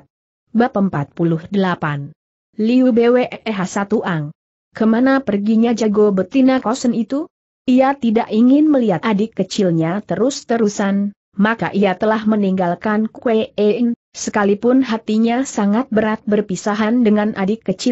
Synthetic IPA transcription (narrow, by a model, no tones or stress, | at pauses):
bapəmpat̪̚pulʊhdəlapan | liubeweʔɦasat̪uʔaŋ | kəmanapərɡiɲad͡ʒaɡobət̪inakɔsənit̪u | iat̪idaʔiŋɪnməliat̪adɪkːət͡ʃɪlɲat̪əɾʊst̪əɾusan | maka̰ʔiat̪əlahməniŋɡalkankueensəkalipʊnɦat̪iɲasaŋat̪̚bəɾat̪̚bərpisaɦandəŋanʔadɪkːət͡ʃɪ